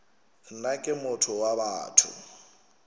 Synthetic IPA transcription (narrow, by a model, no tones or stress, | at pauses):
n̩nakʼɪmʊtʰɔwabaːtʰʊ̰